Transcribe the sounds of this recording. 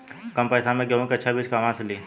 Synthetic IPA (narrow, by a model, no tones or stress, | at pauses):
kɐmpɐːsamẽɡjɐʋõkiɐtːʃʰabiːd͡ʒkaːmãseliː